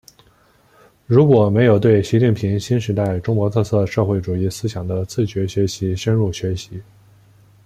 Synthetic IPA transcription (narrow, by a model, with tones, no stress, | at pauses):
ɻu˧˥kwɔ˨˩me˧˥ɪjo˨˩ʊt̪we˥˩ɪɕi˧˥t͡ɕi˥˩ŋpʰi˧˥ŋɕi˥nʂɻ̩˧˥t̪a˥˩ɪʈ͡ʂʊ˥ŋkwɔ˧˥t̪ʰɤ˥˧t͡sʰɤ˥˧ʂɤ˥˧xwe˥˩ɪʈ͡ʂu˨˩i˥˩sɹ̩˥ɕjɑ˨˩ŋd̪ə˦t͡sʰɹ̩˥˩t͡ɕɥɛ˧˥ɕɥɛ˧˥ɕi˧˥ʂə˥nɻu˥˩ɕɥɛ˧˥ɕi˧˥